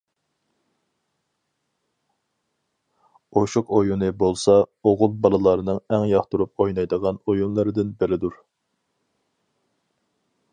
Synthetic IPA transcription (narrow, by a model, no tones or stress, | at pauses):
oʃuqojunɨbolˠsɑoʁʊlˠbɑlˠɨlˠɑɾɨnɨŋɛŋjɑχt̪uɾup̚ojnɑjd̪əʁɑnojunlˠɨɾɨd̪ɪnbɪɾɪd̪uɾ